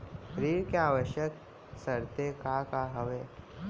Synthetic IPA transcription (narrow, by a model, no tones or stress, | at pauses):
ɾiːɽkeaːʋəʃjək | səɾt̪ekakaɦəʋeː